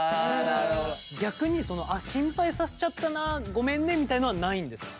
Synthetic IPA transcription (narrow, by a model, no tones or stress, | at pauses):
d̪ad̪a | ɡʲakɯ̟ɲ̟iso̞no̞ʔaɕĩmpaisase̥t͡ɕat̪ːanaɡo̞mẽ̞nːẽ̞mʲːit̪ainoanaĩnd̪e̞sɨ̥k